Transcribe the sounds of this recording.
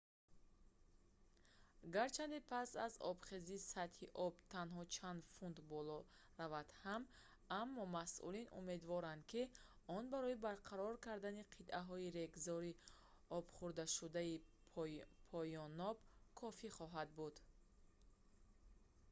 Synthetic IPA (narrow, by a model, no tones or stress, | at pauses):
ɡaɾt͡ʃʰand̪ipʰasa̰zɔ̰bχezisat̪hiʔɔb̚t̪ʰanɦɔt͡ʃʰand̪fund̪bɔlɔ | ravad̪̥ham | amːɔmasʔṵlinṵme̞d̪vɔɾand̪̚ki | ɔnbaɾɔibaɾqʰaɾɔɾkaɾd̪aniqʰit̪ʔaɦɔiɾe̞ɡzɔɾi | ɔb̥χuɾd̪aʃud̪ai | pʰɔjɔnɔbkʰɔfiχɔɦad̪̚bud̪̥